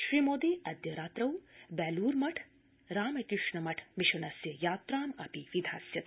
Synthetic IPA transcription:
ʃɾiːmoːd̪iɐd̪jɐɾaːt̪ɾɐwbɛːluːɾmɐʈʰ | ɾaːmɐkɾɪʂɳɐmɐʈʰmiʃɐnɐsjɐjaːt̪ɾaːmɐpiʋid̪ʱa̰ːsjɐt̪

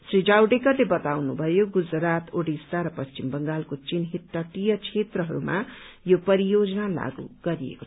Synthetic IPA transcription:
srid͡zawɖekʌrlebʌt̪awnubʱʌjoɡud͡zɾat̪oɽist̪aɾʌpʌst͡ʃimbʌŋɡalkot͡sinɦiʈːaʈijʌt͡sʰet̪rʌɦʌɾuma̰jopʌɾijod͡zʌnala̰ɡṵɡ̥ʌɾijḛko

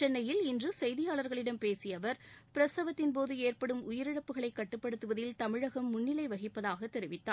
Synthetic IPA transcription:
t͡ʃɛnːɐjɪlɪndrɯsɛjðɪjaːɭɐɾɣɐɭɪɽɐmpeːsɪjɐʋɐɾpɪɾɐsɐʋɐt̪ːɪnpoːðɯeːrpɐɽɯmʊjɪɾɪɽɐpːɯɣɐɭɐɪkːɐʈːɯpːɐɽɯt̪ːɯʋɐðɪlt̪ɐmɪɻɐɣɐmːʊnːɪlɐɪʋɐɣɪpːɐðaːɣɐt̪ːɛɾɪʋɪt̪ːaː

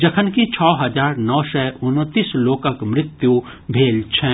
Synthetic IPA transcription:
d͡ʒɐkʰənkit͡ʃʰɔːɦɐd͡ʒaːɾnɔːsɛʔʊnt̪ːiːsloːkəkmɾɪt̪ju | bʱeːlt͡ʃʰɛ

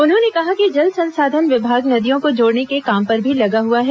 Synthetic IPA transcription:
ʊnɦõːnekɐɦakid͡ʒɐld̪sɐ̃nsaːd̪ʱənʋɪbʱaːɡnɐd̪ijõkod͡ʒoːɽnekekaːmpɐɾbʱilɐɡaɦuaɦɛː

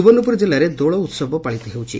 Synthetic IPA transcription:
ubɔnːupuɾd͡ʑilaɾed̪oɭɔut̪sɔbʱɔpaɭit̪ɔɦewt͡ɕḭ

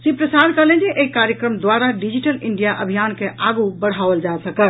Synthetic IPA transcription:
sipɾəsad̪kəɦlɛ̃d͡ʒeʔeikaɾjəkɾəmd̪waɾaɖid͡ʒiʈəliɳɖijaʔəbʱijankeʔaɡubəɽ̤ɦaʋəld͡ʒasəkəl

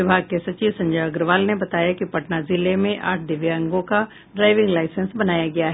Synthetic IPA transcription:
ɪbʱaːɡ̚kesɐt͡ʃiːʋsɐ̃ɲd͡ʒəjɐɡɾʋaːlnebɐt̪aːjakipɐʈnazɪlemẽʔa̰ːʈ̚ʰɖɪʋjiə̃ŋɡõka | ɖɾaːɪʋɪ̃ŋɡlaːɪsə̃nsbɐnaːjaɡɐjaɦɛ

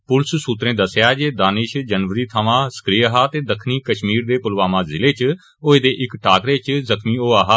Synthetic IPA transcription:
pʊlssuːt̪ɾẽːd̪əsjaːd͡ʒeːd̪aːnɪʃd͡ʒənʋəɾiːt̪ʰəʋãːsə̥kɾiːəɦaːt̪eːd̪əkʰniːkəʃmiːɾd̪eːpʊlʋaːmãːzɪleːt͡ʃ | oːeːd̪eːʔɪkʈaːkɾeːt͡ʃzəkʰmiːoːaːɦaː

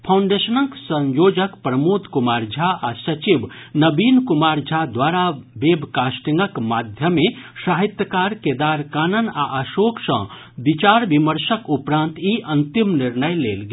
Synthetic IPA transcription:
pʰawɳɖesənəksə̃ɲjod͡ʒəkpɾəmut̪kumaɾd͡ʒʱaasət͡ʃibnəbinkumaɾd͡ʒʱad̪ʋaɾabebkasʈiŋɡəkmad̪ʱjəmesaɦit̪jəkaɾked̪aɾkanəna̰ʔəsoksə̰̃ | bit͡ʃaɾbiməɾsəkupɾãnt̪iʔənt̪imniɾnəjlelɡe

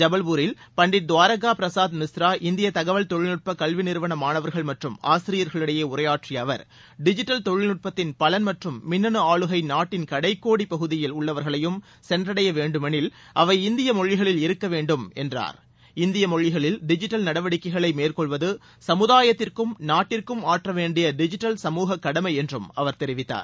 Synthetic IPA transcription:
d͡ʒɐbɐlʋuɾɪl | pɐɳɖɪɾd̪ʊʋaːɾɐɣaːpɾɐsaːd̪nɪsɾaːʔɪnd̪ɪjɐt̪ɐɣɐʋɐlt̪ɔɻɪɭnɯʈ̚pɐkɐɭʋɪnɪɾʋɐɳɐmaːnɐʋɐɾɣɐɭmɐʈrɯma̰ːsɪɾɪjɐɾɣɐɭɯɽɐjeːʊrɐjaːʈriɐʋɐ̰ɾ | ɖɪd͡ʒɪʈːɐlt̪ɔɻɪnɯʈ̚pɐt̪ːɪnpɐlɐnmɐʈrɯmːɪnːɐnɯaːɭɯɣɐɪnaːʈːɪnkɐɽɐɪkːoːɽipɐɣɯðɪjɪlʊɭːɐʋɐɾɣɐɭɐjɯm | sɛndrɐɽɐjɐʋeːɳɖɯmɐnɪl | ʔɐʋɐɪɪnd̪ɪjɐmɔɻːɪɣɐɭɪlɪɾɯkːɐʋeːɳɖɯmɛ̰ndra̰ːɾ | ɪnd̪ɪjɐmɔɻːɪɣɐɭɪlɖɪd͡ʒɪʈːɐlnɐɽɐʋɐɽɪkːɐɪɣɐɭɐɪmeːrkɔɭʋɐðɯ | sɐmɯðaːjɐt̪ːɪrkɯmnaːʈːɪrkɯmaːʈrɐʋeːɳɖɪjɐɖɪd͡ʒɪʈːɐlsɐmuːɣɐkːɐɽɐmɐɪɛndrɯmɐʋɐɾt̪ɛɾɪʋɪt̪ːa̰ːɾ

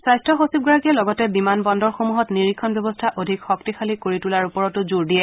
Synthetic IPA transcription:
sajstɹɔxosib̚ɡɔɹakiɛlɔɡɔtɛbimanbɔndɔɹxomuɦɔtniɹikʰːɔnbjɔbɔstʰaʔodʱikxɔk̚tixʰalikoɹitulaɹupɔɹɔtʊzuɹdiɛ

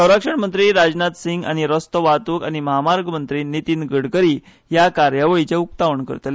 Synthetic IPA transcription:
səwɾakʂəɳmənt̪ɾiːɾad͡znat̪siŋɡa̰ñiɾəst̪əʋat̪ukañiməɦamaɾɡəmənt̪ɾiːnit̪iːnɡəɽkəɾiː | jakaɾjaʋəɭit͡ɕeuk̚t̪aʋəɳkə̰ɾt̪le

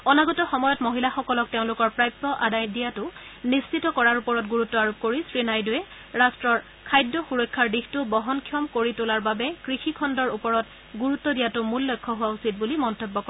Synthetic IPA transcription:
ɔnaɡɔtɔxɔmɔjɔtmoɦilaxɔkɔlɔk̚teʊ̃lʊkɔɹpɹajp̚tɔʔadajndijatʊnist͡ʃʰitɔkɔɹaɹupɔɹɔtɡuɹutːɔaɹop̚koɹisɹinajdʊjɛ | ɹastɹɔɹ | kʰajdːɔxuɹɔjkʰːaɹdixtʊbɔɦɔnkʰjɔmkoɹitʊlaɹbabɛkɹixikʰɔndɔɹupɔɹɔt | ɡuɹutːɔdijatʊmulːɔjkʰːɔɦʊwausit̚bulimɔntɔbːɔkɔɹɛ

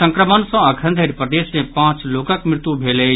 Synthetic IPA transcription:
sə̃ŋkɾəmənsɔ̃əkʰənd̪ʱəɾipɾəd̪esmẽpãt͡ʃlokəkmɾɪt̪ubʱelə

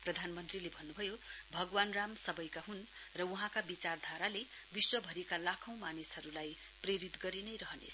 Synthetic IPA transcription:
prʌd̪ʱanmʌnt̪rilebʱʌnːubʱʌjobʱʌɡwanramsʌbʌjkaɦun | rʌwuɦãkabit͡sard̪ʱaɾale | biswʌbʱʌɾikalakʰʌ̃w̃manisɦʌɾulaj | preɾit̪ɡʌɾinʌjɾʌɦʌnḛsʰʌ̥

